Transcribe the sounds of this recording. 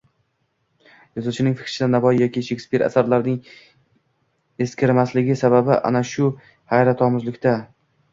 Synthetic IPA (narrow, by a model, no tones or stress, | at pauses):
jɒzʊt͡ʃʰɪnɪŋfɪ̥kɾʃɪd̪anavɒjjɒkʲiʃekʲspiɾa̰saɾlaɾnɪŋ | e̞skʲɪɾɪmaslɪɡʲɪsaβabɪʔa̰naʃʊ | hajɾat̪ʰɒmʊzlɪkʲt̪ʰa